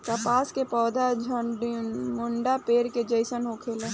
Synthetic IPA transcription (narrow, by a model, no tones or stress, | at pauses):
k̪ɐpaːskepɔːd̪ad͡ʒʱ | mʊɳɖapeːɾked͡ʒəɪsənɦokʰelẽː